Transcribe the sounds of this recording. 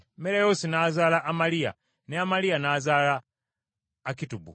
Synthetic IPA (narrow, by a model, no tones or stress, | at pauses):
meɾajoːsinazaːlaʔːmalija̰ | neamalijanaːzaːlaː | kitubṵ